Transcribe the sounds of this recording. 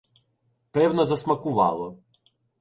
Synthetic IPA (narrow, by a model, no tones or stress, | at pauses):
pɛwnɔzɐsmɐkʊʋɑ̰lˠɔ